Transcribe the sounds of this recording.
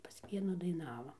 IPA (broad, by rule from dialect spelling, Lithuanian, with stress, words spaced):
pɐs ˈʋʲiɛnuː dɐɪˈnɑːʋɐ